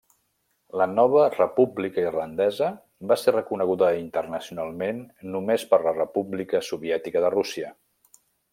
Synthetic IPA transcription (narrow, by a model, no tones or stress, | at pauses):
lənɔβ̞ərəpublikəirlənd̪ɛzə | baserəkunəɣ̞uðəint̪ərnəsiunalˠmenːumespəɾlərəpublikəsuβiɛt̪ikəðərusiə